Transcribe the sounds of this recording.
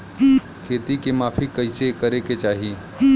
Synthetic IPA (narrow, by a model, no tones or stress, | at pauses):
kʰeːt̪ikemaːpʰikɐɪsekəɾeket͡ʃaːɦie